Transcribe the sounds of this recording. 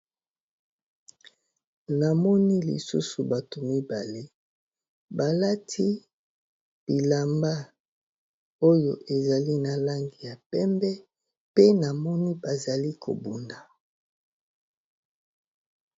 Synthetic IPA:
na˨mɔ˦ni˦lḭ˨sṵ˦su˨ba˨to˨mi˦ba˨le˦ | ba˨la˦tʰi˦ | b̥i˨la˨mba˦ | o˦jo˨ʔe˨za˨li˦na˨la˦ŋɡi˨ja˨pɛ˦mbɛ˦ | pe˦na˨mɔ˦ni˦ba˨za˨li˦kʰo̰˨bu˨nda˨

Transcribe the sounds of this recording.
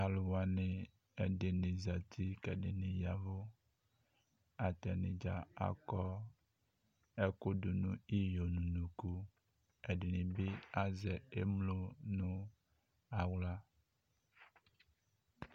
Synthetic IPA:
a˨lo˨wa˨nẽ˨ | e˨ɖe˨nẽ˨za˨t̪ʰi˦kɛ˨ɖe˨nẽ˨ja˨vo˦ | a˨t̪ɛ˨nḛ̃˨d͡ʒa˨a̰˨kɔ˦ | e˦ko˦du˨nũ˦i˦jo˨nũ˨nũ˨ku˦ | e˨ɖe˨nĩ˨be˦a˦zɛ˨e˦mlo˦nũ˦ | a˨wla˦

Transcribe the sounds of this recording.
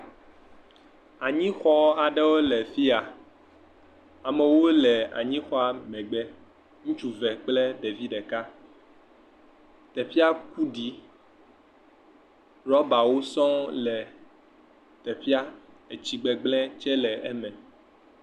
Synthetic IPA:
a˨ɲĩ˦xɔ˦a˨ɖɛ˦wo˦lɛ˨fi˦a˨ | a˨mɛ̃˨wo˦lɛ˨a̰˨ɲĩ˦xɔ˦a˨mɛ̃˨ɡ͡bɛ˦ | ŋũ˦t͡ʃu˦vɛ˨k͡plɛ˦ɖe˨vi˦ɖɛ˨ka˦ | t̪ɛ˨ɸi˦a˦ku˦ɖi˨˦ | ɾɔ˦ba˨wo˦sɔ̃˦lɛ˨ | t̪ɛ˨ɸi˦a˦ | e˨t͡ɕi˨ɡ͡bɛ˨ɡ͡blɛ̃˦t͡ʃɛ˦lɛ˨ʔɛ˦mɛ̃˨

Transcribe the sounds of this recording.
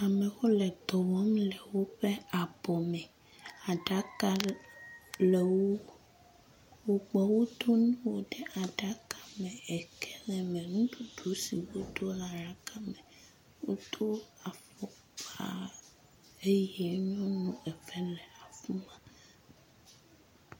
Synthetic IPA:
a˨mɛ̃˨wɔ˦lɛ˨d̪ɔ˨wɔ˦mlɛ˨wo˦ɸɛ˦a˨bɔ˨mɛ˨ | a˨ɖa˨˦ka˦ | lɛ˨wo˦ | wo˦ɡ͡bɔ˨wo˦d̪o˦nũ˦wo˦ɖɛ˦ʔa˨ɖa˦ka˨mɛ̃˨ɛ˨kɛ˦lɛ˨mɛ̃˨nũ˦ɖ̪u˨ɖu˨˦si˨wo˦d̪o˦la˨ɾa˦ka˦mɛ˨ | wo̰˦d̪o˦a˨fɔ˦ | k͡pa̰˦ | e˦jɛ˦ɲɔ̃˦nũ˦ɛ˨ɸɛ˦lɛ˨a˨fu˦mã˨

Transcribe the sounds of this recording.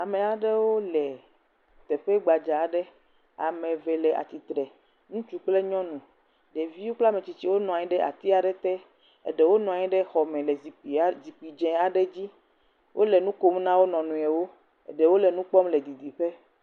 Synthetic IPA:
a˨mẽ˨a˨ɖɛ˦wo˦lɛ˨ | t̪ɛ˨ɸɛ˦ɡ͡ba˨d͡ʒa˨ɖɛ˦ | a̰˨mɛ̃˨vɛ˨lɛ˨ʔa̰˨t̪i˨t̪ɾɛ˨ | nũ˦t͡ʃu˦k͡ple˦ɲɔ̃˦nũ˨ | ɖe˨vi˦wo˦k͡pla˦me˨t͡ɕi˨t͡ɕi˦wo˦nɔ̃˨a˨ɲi˦ɖɛ˦ʔa̰˨t̪i˦a˨ɖɛ˨t̪ɛ˦ | ḛ˨ɖɛ˨˦wo˦nɔ̃˨a˨ɲi˦ɖɛ˦xɔ˨mɛ̃˨lɛ˨zi˨k͡pi˨˦zi˨k͡pi˨d͡ʒɛ̃˨a˨ɖɛ˦d͡ʑi˦ | wʔo˦lɛ˨nũ˦ko˦mnã˦wo˦nɔ̃˨nũ˨ɛ˨wo˦ | ḛ˨ɖɛ˨wo˦lɛ˨nũ˦k͡pɔ˦mlɛ˨d̪i˨d̪i˨ɸe˦

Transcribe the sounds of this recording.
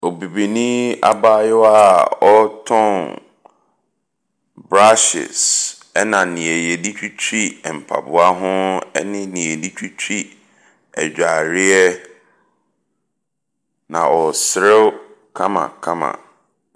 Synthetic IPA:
ɔ˨bi˨bi˨nĩ˦a̰˦ba˦jɛ˦a˦˨ɔ˦tʰɔ̃˦n | bɾa˦ʃɪ̰˨s | ɛ˦nã˨nĩ˨ɛ˨jɛ˨di˦t͡ɕᶣʰi˦t͡ɕʰi˦ɛ˨m̩˨pʰa̰˨bʊ˨˦a˦ɦʊ̃˦ɛ̰˦nɪ̃˦nĩ˨ɛ˨di˦t͡ɕʰᶣi˦t͡ɕʰᶣi˦ | ɛ̰˨d͡ʑᶣa˨ɾɪ˦ɛ˦ | nã̰˨ɔ˨sɾɪ˦w | kʰã˦mã̰˨kʰã˦mã̰˨

